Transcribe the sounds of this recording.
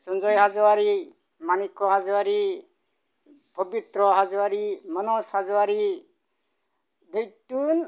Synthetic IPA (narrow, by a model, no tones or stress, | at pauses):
sɔnd͡ʒɔjɦazɔwaɾi | manikɔɦazɔwaɾi | pɔbit̪ɾɔɦazɔwaɾimanɔshazɔwaɾi | d̪ɔjt̪un